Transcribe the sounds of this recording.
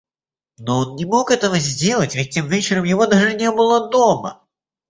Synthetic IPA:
nɔɔnnʲɛmɔkɛt̪ɐvɐzʲd͡zʲelˠɐt͡sʲvʲɛt̚ʲt̪ɛmvʲɛt͡ʃɪɾɐmjavɔd̪aʐɨnʲɛbɨlˠɐd̪ɔmɐ̰

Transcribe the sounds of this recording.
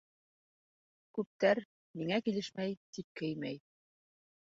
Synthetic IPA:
kʉp̚t̪æɾ | miŋækilɘʃmæjt̪ip̚kɘjmæj

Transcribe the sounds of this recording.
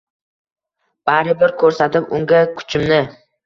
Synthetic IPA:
b̥aɾɪbɪɾkʰɵɾsat̪ɪpʊŋɡʲakʰʊ̥t͡ʃʰɪmnɪ

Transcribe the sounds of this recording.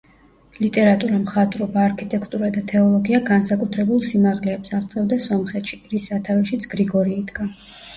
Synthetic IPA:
lit̪ʼɛɾat̪ʼuɾamχat̪ʼɾɔbaːɾkʰit̪ʼɛkʰt̪ʼuɾad̪at̪ʰɛɔlˠɔɡiaɡansakʼut̪ʰɾɛbulˠsimaʁlɛːpsaʁt̪sʼɛvd̪asɔmχɛt̪ʃi̥ɾisat̪ʰaɾɔʃit̪sʰɡ̥ɾiɡɔɾiːd̪ɡa

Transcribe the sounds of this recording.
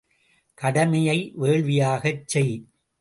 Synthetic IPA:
kɐɽɐmɐjɐɪʋeːɭʋɪjaːɣɐt͡ʃːɛɪ

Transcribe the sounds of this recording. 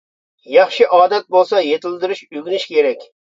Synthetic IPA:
jɑχʃɪʔɒːd̪at̪̚bolˠsɑjet̪ʰɪld̪ɪɾɪʃʊɡʲnɪʃkʲʰe̞ɾakʲ

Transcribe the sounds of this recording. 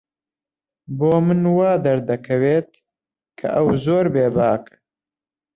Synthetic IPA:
boːmɨnwaːd̪ɐɾd̪ɐkʰɐweːt̪̚ | kʰɐ̰ʔɐwzoːɾbeːbaːk

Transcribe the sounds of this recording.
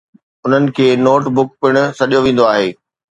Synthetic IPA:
ʊn̤ənɪ̆kʰeːnoːʈbʊk̚pɪɽ̃ʊ̆sɐɗijoʋẽːn̆d̪oaːɦeː

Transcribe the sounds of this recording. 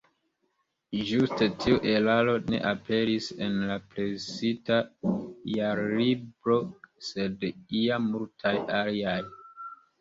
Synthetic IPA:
ʒustetʰiuʔe̞lalo̞ne̞̰ʔape̞ɾise̞nlapɾe̞sitajaɾlibɾo̞se̞diammultʰajaliaj

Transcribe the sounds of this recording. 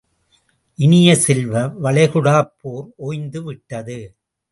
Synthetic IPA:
ʔɪnɪjɐsɛlʋɐʋɐɭɐɪɣɯɽaːpːoːɾoːjnd̪ɯʋɪʈːɐðɯ

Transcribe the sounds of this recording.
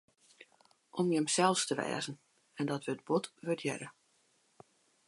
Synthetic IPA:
ʔɔmjəmsɛlˠstəʋɛ̰ːzən̩ | ɛndɔtʋəəd̚botʋøtʰjɛ̰ɾə

